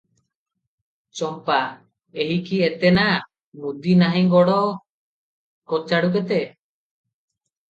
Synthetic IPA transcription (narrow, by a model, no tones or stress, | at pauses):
t͡ʃɔmpa | eɦikʰiet̪ɛna | mud̪inaɦĩɡɔɽɔ | kɔt͡ʃaɽuk̬ɛt̪ɛ